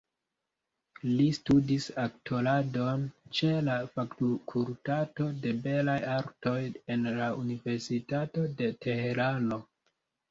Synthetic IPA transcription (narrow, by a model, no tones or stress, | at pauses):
listudisaktʰolado̞nt͡ʃe̞lafaktukʰultato̞de̞be̞lajaɾto̞je̞nlaʔunive̞ɾsitato̞de̞te̞he̞ɾano̞